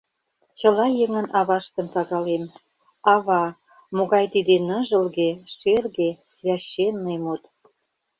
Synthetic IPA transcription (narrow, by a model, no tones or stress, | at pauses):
t͡ɕə̆lɑjəŋə̆nʔɑβɑʃt̪ə̆mt̪ɑɣɑlem | ɑβɑ | moɣɑjt̪id̪enəʒə̆lɣeʃerɣesvʲæɕːenːejmut̪